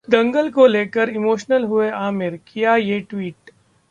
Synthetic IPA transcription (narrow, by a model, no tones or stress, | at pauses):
d̪ɐ̃ŋɡəlkoleːkəɾɪmoːʃnəlɦʊeʔaːmɪɾkijajeʈwiːʈ